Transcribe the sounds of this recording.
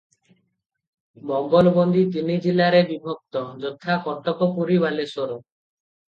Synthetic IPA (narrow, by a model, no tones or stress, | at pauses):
mɔŋɡɔlbɔnd̪it̪inid͡ʒilaɾebibʱɔk̚t̪ɔd͡ʒɔt̪ʰakɔʈɔkɔpuɾiβalesoɾɔ